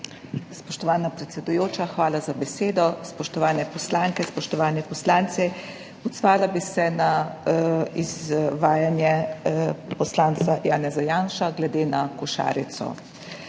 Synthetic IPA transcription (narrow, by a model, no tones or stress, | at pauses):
spɔʃt̪ɔʋaːnapɾɛt̪sɛd̪ujoːt͡ʃaxʋaːlazabɛseːd̪ɔspɔʃt̪ɔʋaːnɛpɔslaːŋkɛspɔʃt̪ɔʋaːnɛpɔslaːnt̪sɛ | ɔd̪zʋaːlabisɛna | izʋaːjanjɛ | pɔslaːnt̪sajaːnɛzajaːnʃaɡlɛd̪eːnakɔʃa̰ːɾit̪sɔ̰